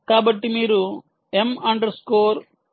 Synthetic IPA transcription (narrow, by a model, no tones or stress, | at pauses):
kaːbɐʈːimiːɾu | emɐɳɖɐɾskoːɾ